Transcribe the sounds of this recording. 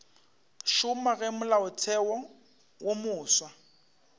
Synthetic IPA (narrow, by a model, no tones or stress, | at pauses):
ʃʊmaɣɛmʊlaʊtʰɛwɔ | wʔomʊːswa